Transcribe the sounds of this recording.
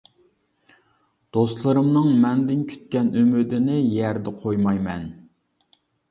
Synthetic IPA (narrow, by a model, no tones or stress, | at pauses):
d̪̥ost̪lˠɨɾɨmnɨŋmɛnd̪ɪnkʲʰy̥t̪̚kʲɛnømyd̪ɪnɪjɛɾd̪ɛqʰojmɑjmɛn